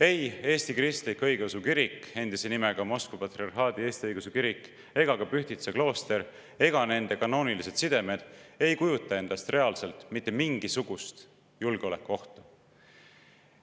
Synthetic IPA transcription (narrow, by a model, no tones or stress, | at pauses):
e̞je̞ːst̪ikrist̪likːɤjɡeusukiɾikːe̞nd̪̥ise̞nimeɡ̥ɑmo̞skvupɑt̪riɑrɦɑːd̪ie̞ːst̪iɤjɡ̥usekiɾikːˑ | e̞ɡ̥ɑkɑpyçt̪it̪seklo̞ːst̪e̞ɾ | e̞ɡ̥ɑne̞nd̪e̞kɑno̞ːnilise̞t̪sid̪̥e̞me̞d̪̥e̞jkujut̪ːˑɑe̞nd̪̥ɑst̪re̞ɑlse̞lt̪ˑmit̪ːˑemiŋɡ̥isuɡ̥ust̪ | julɡ̥eo̞le̞kːˑuo̞ht̪ɑ